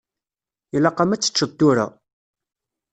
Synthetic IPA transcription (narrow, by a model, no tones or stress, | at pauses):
ilɑqːɑmæt͡sːə̥t͡ʃːədt̪ːuɾa̰